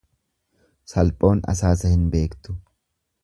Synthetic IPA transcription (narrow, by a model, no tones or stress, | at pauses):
sɐlpʼo̞ːnɐ̰saːsɐhɪnbe̞ːkt̪ʊ̥